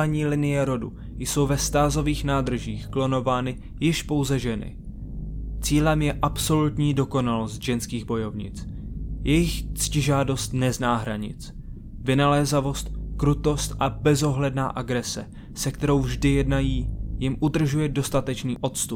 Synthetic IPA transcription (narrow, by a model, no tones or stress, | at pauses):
aɲiːlɪnɪjɛɾo̞dṵ | jso̞wvɛst̪aːzo̞viːxnaːd̪r̩ʒiːxklo̞no̞vaːnɪ | jɪʃpo̞wzɛʒɛnɪ̰ | t͡siːlɛmjɛʔapso̞lut̪ɲiːdo̞ko̞nalo̞st̪ʒ̥ɛnskiːɣbo̞jo̞vɲɪ̰t͡sjɛjɪxt͡scɪʒaːdo̞st̪nɛznaːɦɾaɲɪ̰t͡s | vɪnalɛːzavo̞st̪̚kɾut̪o̞st̪ʔabɛzo̞ɦlɛdna̰ːʔaɡɾɛsɛ̰ | sɛkt̪ɛɾo̞wvʒdɪjɛdnajiːjɪmʔud̪r̩ʒujɛdo̞st̪at̪ɛt͡ʃniːʔo̞t̪st̪up